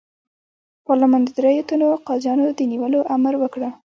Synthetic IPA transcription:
pɑɾlamɑnd̪əd̪ɾejot̪anoqɑzjɑnod̪əniwəloʔamɾwəkɽə

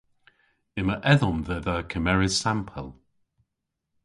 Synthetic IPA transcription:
ɪməʔɛðɔmðəðəkʰəmɛɹɪzsampʰəlˠ

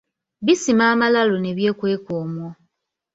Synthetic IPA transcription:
βisimaːmalalone̞βje̞ːkwe̞ːkoːmwo

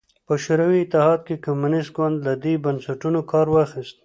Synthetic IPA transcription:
pəʃʊɾawiɪt̪ɪhɑd̪̚kekamunɪst̪ɡwand̪lad̪ebansaʈunokʰɑɾwaxist̪̚

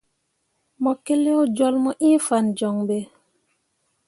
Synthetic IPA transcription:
mɔkːɛlɛwd͡ʒɔlmɔʔĩfand͡ʒɔŋbɛ

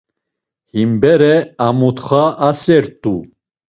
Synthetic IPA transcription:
himbɛɾɛamut̪χaʔasɛɾt̪ʼu

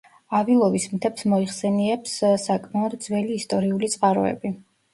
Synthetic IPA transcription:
avilˠɔvismt̪ʰɛpsmɔiχsɛniɛpssakʼmaɔd̪d̪zwɛliːst̪ʼɔɾiulit̪sʼqʼaɾɔ̰ɛ̰bi

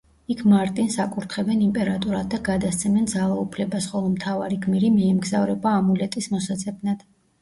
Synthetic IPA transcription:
ikʰmaɾt̪ʼinsakʼuɾt̪ʰχɛbɛnimpʼɛɾat̪ʼuɾad̪̚ːaɡad̪ast̪sʰɛmɛnd̪zalˠaupʰlɛbasχɔlˠɔmt̪ʰavaɾiɡmiɾimɛːmɡzavɾɛbaːmulɛt̪ʼismɔsat̪sʼɛbnad̪̥

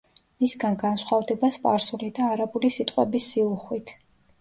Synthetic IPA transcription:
misɡanɡanʃχwavd̪ɛbaspʼaɾsulid̪aːɾabulisit̪ʼqʼwɛ̰bisːiuχwit̪ʰ

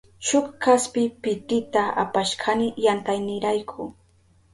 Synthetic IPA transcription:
t͡ʃʊkkaspɪpɪt̪ɪt̪aa̰paʃkʰanɪjant̪ajnɪɾajkʰʊ

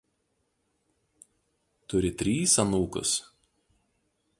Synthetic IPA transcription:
t̪ʊɾʲɪt̪ʲɾʲiːsɐnuːkʊ̰s

